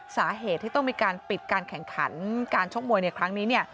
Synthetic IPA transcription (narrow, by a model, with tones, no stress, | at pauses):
saː˩˦ɦeː˨˩t̪ʰːiː˥˩t̪ɔ˥˩ŋmiː˧kaː˧npi˨˩t̪̚kaː˧nkʰɛ˨˩ŋkʰa̰˩˦˥nkaː˧nt͡ɕʰu˥˩mu˧əjna˧jkʰɾa˦˥ŋniː˦˥ni˥˩ɐ